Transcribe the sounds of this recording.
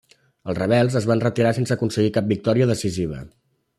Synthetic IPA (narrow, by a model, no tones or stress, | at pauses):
əlˠzrəβ̞ɛlˠzəzβanrət̪iɾasensəːkunsəɣikap̚bik̚t̪ɔɾiəðəsiziβ̞ə̰